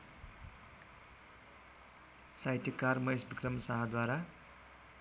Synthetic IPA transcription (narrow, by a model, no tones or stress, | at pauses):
sajʈʰikːarmʌjsbikrʌmsaɦad̪waɾa